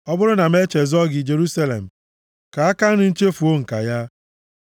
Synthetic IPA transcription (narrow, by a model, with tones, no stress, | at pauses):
ɔ˦bʊ˦ɾʊ˦na˨m˦e˦t͡ʃe˨zɔ˦ɡɪ˨d͡ʒe˨ɾu˦sa˦lḛ˨m̩˨ | ka˨a˦ka˦nʊ˦n̩˦t͡ʃe˦fu˨o˦ŋ̩˨ka̰˨ja˦